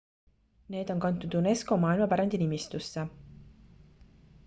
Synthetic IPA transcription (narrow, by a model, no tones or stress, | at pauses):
ne̞ːd̪̥o̞nkɑnt̪ːˑud̪̥une̞sko̞mɑːilmɑpæɾɑnd̪inimist̪usːe